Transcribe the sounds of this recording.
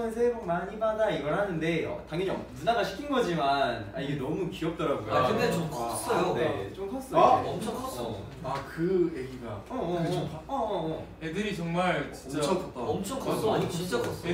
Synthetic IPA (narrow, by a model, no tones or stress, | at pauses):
ɯns̬ʰeɾoŋ̚maɲibadaiɡʌɭhanɯnde̞ʌ̰taŋjʌɲiʌdunaɡaɕʰi̥kʰinɡʌd͡ʑimana̰iɡenʌmukiʌp̚t͈ʌɾaɡujoɯdet͡ɕomkʰʌs͈ʌjonet͡ɕomkʰʌs͈ʌʌmt͡ɕʰʌŋkʰʌs͈ʌ | akɯeɡiɡaʌ | ʌ | edɯɾit͡ɕʌŋmaɭt͡ɕiʌt͡ɕʰʌaʌmt͡ɕʰʌŋkʰʌs͈ɲiɡot͡ɕint͡ɕ͈akʰʌs͈